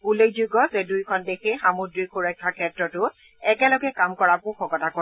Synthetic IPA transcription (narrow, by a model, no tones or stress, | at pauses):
ulojzuɡɔzɛdujkʰɔndexʰixamudɹikʰuɹɛkʰːakʰɛtɹɔtʊ | ɛkɛlɔɡɛkamkɔɹapʊxɔkɔtako